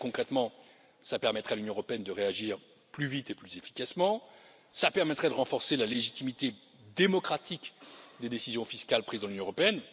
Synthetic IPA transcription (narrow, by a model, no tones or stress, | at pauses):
kɔ̃kχɛt̪mɑ̃ | sapɛʁmɛt̪χɛalynjɔ̃əʁɔpeɛnd̪əʁeaʒiːʁ | plyvit̪eplyzefi̥kasmɑ̃ | sapɛʁmɛt̪χɛd̪əʁɑ̃fɔʁselaleʒit̪imit̪e | d̪emɔkχat̪ʰikd̪ed̪esizjɔ̃fiskʲalpχizd̪ɑ̃lynjɔ̃əʁɔpeɛn